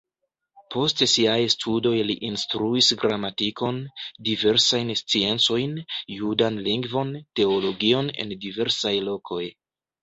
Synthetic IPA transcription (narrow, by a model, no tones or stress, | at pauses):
pʰo̞stsiajstʰudo̞jliʔinstɾuisɡɾamatiko̞ndive̞ɾsajnst͡sie̞nt͡so̞jnjudanliŋɡvo̞nte̞o̞lo̞ɡio̞ne̞̰ndive̞ɾsajlo̞kʰo̞j